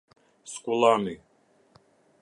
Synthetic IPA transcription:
skʼulami

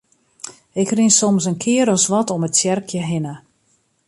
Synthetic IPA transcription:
ɪkrinsɔmsənkʰɪəɾɔsʋɔtɔmətsjɛrkʰjəɦɪnə

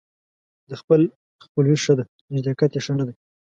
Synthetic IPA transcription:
d̪əxpəl | xpəlwiʂəd̪a | nɪd͡ʒd̪akat̪jeʂənad̪a

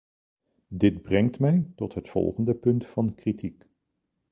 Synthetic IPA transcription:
dɪd̚brɛŋtmɛjtɔtɦətfɔ̰lˠχəndəpɵntfɑnkritik

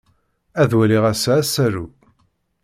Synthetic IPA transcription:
æðwæliʁæsæsæɾu

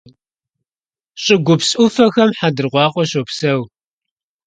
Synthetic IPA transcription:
ɕʼɪɡʷʊpsʼʊfɐxɐmħadɨrʁʷɑːqʷʼɔɕopsɐw

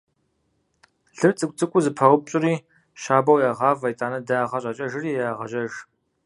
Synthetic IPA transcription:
ɮɨrt͡sʼɨkʷʼt͡sʼɨkʷʼʊzɨpʰɐʁʷʊp̚ɕʼʊɾiː | ʃaːbɐwjaːʁɑːvɐjtʼaːnɐdaːʁɐɕʼɐt͡ʃʼɐʒɨriːjaːʁɐʒʼɐʒ

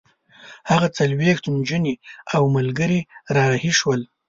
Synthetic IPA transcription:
haɣat͡salwext̪nd͡ʒəniawmalɡəɾiɾɑhiʃwəl

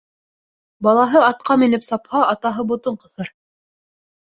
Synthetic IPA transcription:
bɑlˠɑɦɤɑt̪̚qɑmĭnɘpsɑphɑɑt̪ɑɦɤbŏt̪ɤɴqɤ̆θɤɾ

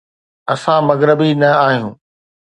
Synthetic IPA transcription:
ɐsãmɐɣɾəbinɐaːɦijũː

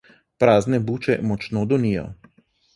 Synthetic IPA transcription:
pɾaːznɛbuːt͡ʃɛ̰mɔt͡ʃnod̪ɔnijɔ̰

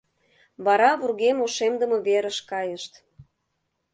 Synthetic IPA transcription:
βɑɾɑβurɣemoʃemd̪əmɤ̆βeɾə̆ʃkɑjəʃt̪

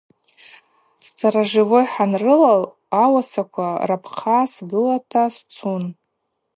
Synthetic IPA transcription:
sʰaɾaʒɪvojħanrɨlal | awasakʷʰarapʰqʰasɡɨlatʰast͡sʰun

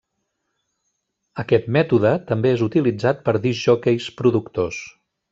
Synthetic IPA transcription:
əkɛt̪mɛt̪uðət̪əmbeezut̪ilid͡zat̪̚pəɾðiʒɔkejspɾuðukt̪os

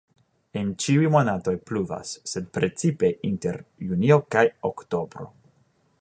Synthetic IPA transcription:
ent͡ʃiujmonato̞jpluva̰sːe̞dpɾe̞t͡sipe̞ʔinte̞ɾjunio̞kajokto̞bɾo̞̰

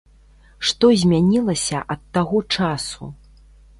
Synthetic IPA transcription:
ʂt̪ɔzʲmʲanʲilˠɐsʲɐʔɐt̪ːaɣɔt͡ʂasṵ

